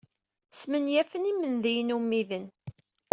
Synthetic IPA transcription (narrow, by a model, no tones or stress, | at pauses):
smənjæfənimənðijnumːiðən